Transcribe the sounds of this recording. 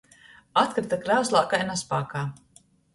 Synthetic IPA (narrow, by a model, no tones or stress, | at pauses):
at̪̚kɾɨt̪akɾawslˠaːkajnaspa̰ːkaː